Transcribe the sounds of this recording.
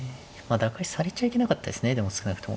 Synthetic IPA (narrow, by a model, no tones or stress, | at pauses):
mad̪akaisaɾet͡ɕaike̞nakat̪ːad̪e̞sɨne̞d̪e̞mo̞sɨ̥kɯ̟nakɯ̟̥t̪o̞mo̰